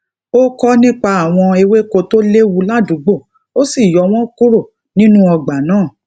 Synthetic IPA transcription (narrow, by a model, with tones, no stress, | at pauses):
o˦kɔ˦nĩ˦k͡pa˧a˨w̃ɔ̃˧e˧we˦ko˧to˦le˦wu˧la˦dũ˨˦ɡ͡bo˦˨ | o˦si˦˨jɔ˧˦w̃ɔ̃˦ku˦ɾo˦˨ | nĩ˦nũ˦ɔ˧ɡ͡ba˨nãː˦˨